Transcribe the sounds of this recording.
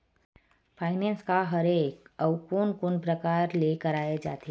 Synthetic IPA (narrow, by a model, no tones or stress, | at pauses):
pʰaːɪnɛ̃ːnskaɦəɾeːkəʊkuːnkʊnpɾəkaːɾlekəɾaːed͡ʒa̰ːt̪eː